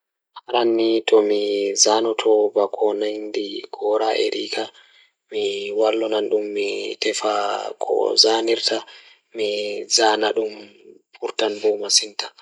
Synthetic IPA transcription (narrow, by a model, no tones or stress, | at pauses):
haɾanːitɔmizanɔtʰɔbakʰɔnandiɡ̥ɔɾaʔɛ̰ɾiːkʰa | miwalːɔnanɗumːitɛfakʰɔ̰zaniɾtʰa | mizaːnaɗumpʰuɾtanbɔmasinta